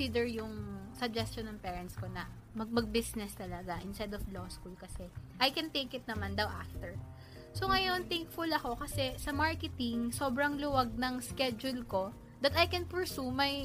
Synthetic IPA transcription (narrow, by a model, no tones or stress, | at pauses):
id̪ɛɹjʊŋsɐɡ̚d͡ʒɛst͡ʃonːɐŋpɛːɹɐnt̪skonɐ | mɐɡ̚mɐɡ̚bɪsnɛst̪ɐlɐɡaʔɪnst̪ɛd̪ɔfloskulkɐsɛʔɐjkɛnt̪ejkɪt̪̚nɐmand̪ɐwʔaft̪ɛɹ | soŋɐjo̞nt̪ɛŋkfʊlɐko̞kɐsɛsɐmaɹkɛt̪ɪŋso̞bɾɐŋlʊwaɡ̚nɐŋskɛd͡ʒʊlko̞ | d̪ɐt̪ɐjkɛnpɛɹsumɐj